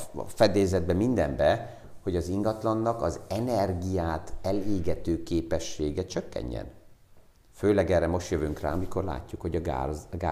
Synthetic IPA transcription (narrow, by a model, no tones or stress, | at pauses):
fɛd̪eːzɛd̪̚bɛmind̪ɛmbɛ | ho̞ɟɒziŋɡɒt̪lɒnːɒkɒzɛnɛrɡijaːt̪ɛleːɡɛt̪øːkeːpɛʃːeːɡɛt͡ʃøkːɛ̰ɲːɛ̰n | føːlɛɡɛːrɛmo̞ʃt̪jøvyŋkra̰ːmiko̞rla̰ːcːukho̞ɟɒɡa̰ɡa